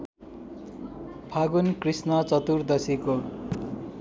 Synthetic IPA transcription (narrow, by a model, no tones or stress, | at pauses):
pʰaɡunkrisnʌt͡sʌt̪urd̪ʌsiko